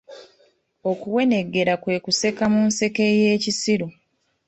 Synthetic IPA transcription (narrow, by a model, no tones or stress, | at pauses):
o̞kuwe̞ne̞ɡe̞ɾakwe̞ːkuse̞kamunse̞ke̞je̞ːcisiɾu